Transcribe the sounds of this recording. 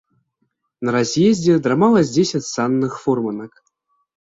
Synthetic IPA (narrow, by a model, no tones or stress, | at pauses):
naɾazʲjezʲdʲed̪ɾamɑlˠaz̬ʲdʲesʲatʲsɑnːɨxformɤnak